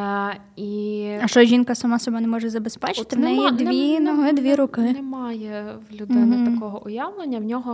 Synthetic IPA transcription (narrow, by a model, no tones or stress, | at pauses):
iɐʃt͡ʃɔʒʲinkɐsɐmɑsɔbɔnɛmɔʒɛzɐbespɛt͡ʃt̪ɪʋnɛjɛd̪ʋʲinɔɦɪd̪ʋʲiɾʊkɪnɛmɑjɛʋlʲʊd̪ɪn̩ɐkɔɦɔʔʊjaʋnˠenʲːɐwnʲɔɦɔ